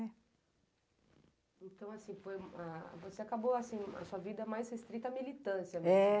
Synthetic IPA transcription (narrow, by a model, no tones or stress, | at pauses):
ɛ | ẽt̪ɐ̃w̃asĩfojavoseakaboasĩɐ̰suɐvid̪ɐmajshest̪ɾit̪ɐamilit̪ɐ̃siɐmeɛ